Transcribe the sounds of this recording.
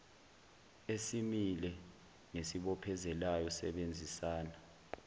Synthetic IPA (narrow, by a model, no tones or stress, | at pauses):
esimilɛ | ŋesiɓɔpʰɛzɛlajɔsɛɓend͡zʱisaːna